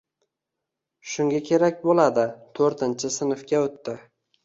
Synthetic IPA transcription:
ʃʊŋɡʲakʲʰe̞ɾakʲbolad̪ɪt̪ʰɵɾt̪ʰɪnt͡ʃʰɪsɪnɪfkʲaot̪ːɪ

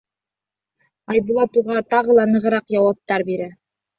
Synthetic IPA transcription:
ɑjbulˠɑt̪uʁɑt̪ɑʁɤ̆lˠɑnɤ̆ʁɤ̆ɾɑqjɑwɑp̚t̪ɑɾbiɾæ

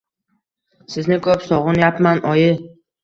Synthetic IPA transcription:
sɪznɪkʰɵpsɒʁɨnjapmanʔɒjɪ

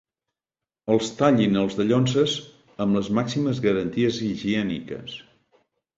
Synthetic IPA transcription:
əlˠst̪aʎinəlˠzðəʎonsəz | əmbləzmaksiməzɣəɾənt̪iəziʒiɛnḭkə̰s

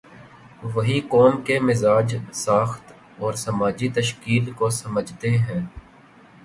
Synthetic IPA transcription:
ʋɐɦikɔːmkemɪzaːd͡ʒsaːxt̪ | ɔːɾsɐmaːd͡ʒit̪əʃkiːlkosɐməd͡ʒʱt̪eɦɛ̃ː

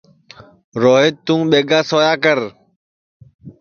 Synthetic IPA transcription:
ɾoːɦet̪t̪ːũːɓeːɡaːsoːjaːkəɾ

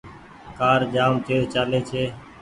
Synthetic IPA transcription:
kaːɾd͡ʒaːmt͡ʃeːt͡ʃaːleːt͡ʃʰeː

